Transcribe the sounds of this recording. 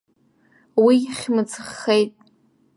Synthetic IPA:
wiχʲmɨt͡sʰɨχːejtʼ

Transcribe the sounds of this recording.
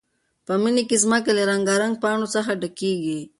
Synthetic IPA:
pəminikezmək̬alaɾaŋɡɑɾaŋɡ̚pɑɳosaxaɖakeɡi

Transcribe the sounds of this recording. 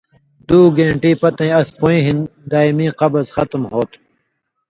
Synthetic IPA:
d̪uːɡẽːɳʈiːpɐt̪ẽɐspõĩːɦind̪aːimĩːqɐbɐzxɐt̪mɦoːt̪

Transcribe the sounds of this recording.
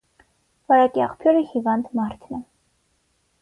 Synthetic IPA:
vɑɾɑkiɑ̰χpʰjɔɾəhivɑnd̪mɑɾt̪ʰnə

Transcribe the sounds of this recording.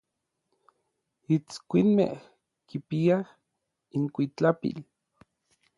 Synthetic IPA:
it͡skʷinmḛh | kipiah | iŋkʷit͡ɬapḭl

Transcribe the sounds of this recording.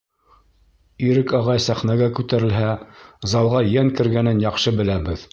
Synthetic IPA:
iɾɘkɑʁɑjsæχnæɡækʉt̪æɾɘ̆lɦæzɑlˠʁɑjæŋkɘ̆ɾɡænɘnjɑqʃɤbɘ̆læbɘð

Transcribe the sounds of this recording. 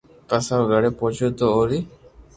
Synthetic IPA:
pəsãɡʱəɽeːpõːt͡ʃoːt̪oːoːɾiː

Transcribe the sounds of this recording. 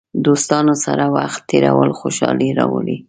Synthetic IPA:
d̪ost̪ɑnosaɾawaxt̪ːeɾawəlxoʃɑliɾɑwəli

